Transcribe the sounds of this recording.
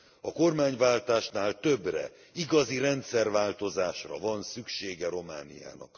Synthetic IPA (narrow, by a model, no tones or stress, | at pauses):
ɒko̞rmaːɲvaːlt̪aːʃnaːlt̪ø̞brɛ̰ | iɡɒziɾɛnt̪sɛrvaːlt̪o̞zaːʃrɒvɒnsykʃeːɡɛɾo̞ma̰ːnḭja̰ːnɒ̰k